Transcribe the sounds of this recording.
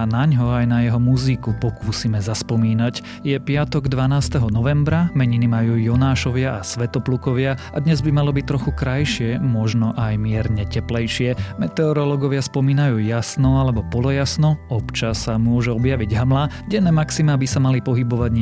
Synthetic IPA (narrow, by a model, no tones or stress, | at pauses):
naɲɦɔajnajɛɦɔmuzikupɔkuːsimɛzaspɔmiːnac | jɛpɪat̪ɔɡd̪ʋanaːst̪ɛɦɔnɔʋɛmbɾamɛɲinimajuːjɔnaːʃɔʋɪaʔasʋɛt̪ɔplukɔʋɪaʔad̪ɲɛzbimalɔbic̚t̪ɾɔxukɾajʃɪɛmɔʒnɔʔajmɪɛɾɲɛcɛplɛjʃɪɛmɛt̪ɛɔɾɔlɔɡɔʋɪaspɔmiːnajuːjasnɔalɛbɔpɔlɔjasnɔɔpt͡ʃasamʊɔʒuɔbjaʋiɟɦamla | ɟɛnɛːmaksimaːbisamalipɔɦibɔʋaɟɲ